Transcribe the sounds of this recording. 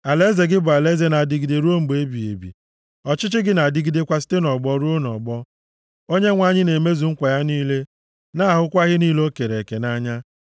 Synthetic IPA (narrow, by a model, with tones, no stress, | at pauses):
a˨le˦ze˨ɡɪ˦bʊ˨a˨le˦ze˦na˨di˨ɡi˨de˨ɾo˦m̩˨ɡ͡be˦bi˨ḛ˨bḭ˨ | ɔ˨t͡ʃɪ˦t͡ʃɪ˦ɡɪ˦na˨di˦ɡi˦de˦kʷa˦s̬i̥˦te˦nɔ˨ɡ͡bɔ˦ɾu˦o˦nɔ˨ɡ͡bɔ˦ | o˦ɲe˦ŋʷa˨ɲɪ˦ne˨me˦zu˨ŋ̩˦kʷa˨ja˦niː˦le˦ | na˦a˨ɦʊ˦kʷa˦ɣɪ˦niː˦lo˦ke˨ɾe˨ke˨na˦ɲa˦